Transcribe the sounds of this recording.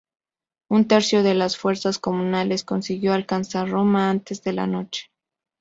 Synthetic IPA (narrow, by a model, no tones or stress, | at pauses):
unt̪e̞ɾsjo̞ðe̞lasfwe̞ɾsasko̞mũnale̞sko̞nsiɣjo̞alkansaɾro̞maant̪e̞zðe̞la̰no̞t͡ʃe̥